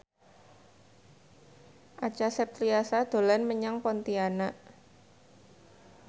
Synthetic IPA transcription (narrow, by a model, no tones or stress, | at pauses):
ʔat͡ʃasɛp̚t̪ɾiasad̪̥o̤lanməɲaŋpɔnt̪ianaʔ